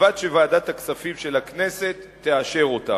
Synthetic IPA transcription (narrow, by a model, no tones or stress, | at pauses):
ad̪ʃevaːdat̪aksafimʃe̞lakne̞se̞t̪ːeaʃe̞ʁo̞ta̰